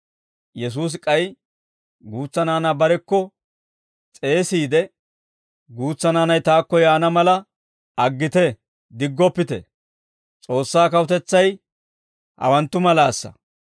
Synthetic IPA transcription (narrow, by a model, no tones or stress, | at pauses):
jɛs̬uːs̬kʼɐj | ɡuːt͡sːɐnaːnabɐɾɛkːɔ | t͡sʼe̞ːsiːd̪ɛ | ɡuːt͡sːɐnaːnɐjt̪aːkːɔjaːnɐmɐlɐ | ɐɡːɪt̪ɛ | d̪ɪɡːɔpːɪt̪ɛ̰ | t͡sʼo̞ːsːaːkɐwʊt̪ɛt͡sːɐj | hɐ̰wɐnt̪ːʊmɐlaːsːɐ̰